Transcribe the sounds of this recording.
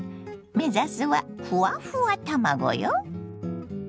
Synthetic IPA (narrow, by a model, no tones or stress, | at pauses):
mɛzasɨwa̰fuafuat̪ʰamaɡɔ̰jɔ